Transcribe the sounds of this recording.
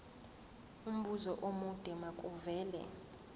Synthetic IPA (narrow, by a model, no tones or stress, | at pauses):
um̩ɓʱuzɔʔomud̥ʼʱɛmakʼuvɛːlɛ̰